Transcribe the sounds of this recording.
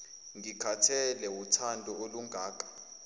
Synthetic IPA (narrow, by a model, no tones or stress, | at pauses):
ŋɡʱikʰatʰɛlɛwutʰandʱɔoluŋʱaːk̬ʼḁ